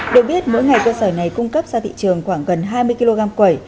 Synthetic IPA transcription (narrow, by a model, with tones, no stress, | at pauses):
ɗɨ˨˩ək̚ɓi˦˥ət̚mo̰˧˥jŋa˨˩jkəː˧səː˧˩na˨˩jkʊ˧ŋ͡mkə˦˥p̚z̥aː˧t̪ʰḭ˧˨t͡ɕɨ˨˩əŋxwaː˧˩ŋɣə˨˩nɦaː˧jmɨ˧əjki˧lo˧ɣaː˧mkwə˧˩j